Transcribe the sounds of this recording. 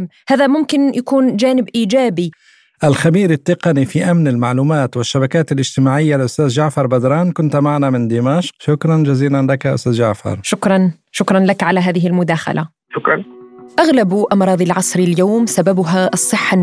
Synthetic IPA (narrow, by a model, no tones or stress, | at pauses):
haːðamʊmkɪnjakuːnd͡ʒaːnɪbʔiːd͡ʒaːbi | ʔalxabiːɾɪt̪ːɪqɑnifiʔamnɪlmaʕluːmaːt̪wɪʃːabakaːt̪alʔɪd͡ʒt̪ɪmaːʕɪjːalʔʊst̪aːzd͡ʒaʕfɑɾˤbad̪ɾˤɑːnkʊnt̪maʕanamɪnd̪ɪmaʃqʃʊkɾˤɑnd͡ʒaziːlanlakaʔʊ̰st̪aːzd͡ʒaʕfɑ̰ɾˤʃʊkɾˤɑn | ʃʊkɾˤɑnlakʕalaɦaːðɪɦɪlmʊd̪aːxa̰lʔa | ʃʊkɾˤɑnʔaɣlabʔɑmɾˤɑːd̪ˤɑlʕɑsˤɾiljaːmsababʊɦaʔɑsˤːɨħːa